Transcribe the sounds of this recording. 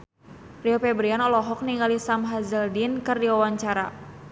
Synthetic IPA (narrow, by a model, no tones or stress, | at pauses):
riopɛbɾianɔlɔɦɔk̚niŋalisamɦazəldinkɨrdiwawaɲt͡ʃaɾa̰